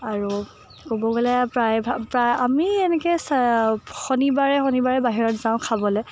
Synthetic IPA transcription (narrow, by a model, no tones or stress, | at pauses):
aɹu | kobɔɡɔlɛpɹajbapɹajamiɛnɛkɛs | xonibaɹɛxɔnibaɹɛbaɦiɹɔtzãʊ̃kʰabɔlɛ